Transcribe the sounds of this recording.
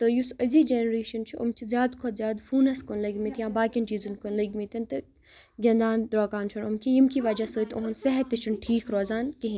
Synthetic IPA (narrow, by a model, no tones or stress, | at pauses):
t̪ɨjusɐzid͡ʒenɾeːʃɐnt͡ʃʰuṵmkʲʰizjaːd̪kʰot̪zjaːd̪fuːnɐskonlɐɡʲmit̪jãːbaːkʲint͡ʃiːzunkonlɐɡʲmit̪ʲɐnt̪ɨ | ɡʲɐnd̪aːnd̪ɾoːkaːnt͡ʃʰɐnumkʲʰijimkiʋɐd͡ʒasəːt̪oɦɐnsɐɦɛt̪ːit͡ʃʰɐnʈʰiːkʰɾoːzaːnkiɦĩ